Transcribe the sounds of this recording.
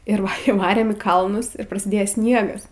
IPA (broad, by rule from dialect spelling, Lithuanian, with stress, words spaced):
ˈɪr iːˈʋɑːrʲeːm iː ˈkɐlˠnʊs ɪr prɐsʲɪˈdʲeːjɛ ˈsʲnʲiɛɡɐs